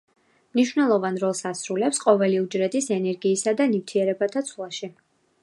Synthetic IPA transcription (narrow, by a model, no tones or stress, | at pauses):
mniʃwnɛlˠɔvanɾɔlˠsasɾulɛpsqʼɔvɛliud͡ʒɾɛd̪isɛnɛɾɡiːsad̪anivt̪ʰiɛɾɛbat̪ʰat̪sʰwlˠaʃi